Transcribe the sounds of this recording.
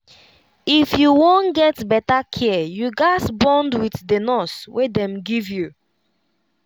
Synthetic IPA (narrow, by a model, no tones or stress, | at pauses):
ifjuwõnɡɛtbɛtakʰijuɡaɪsbɔ̃ndwiθdənɔswedɛ̃mɡivju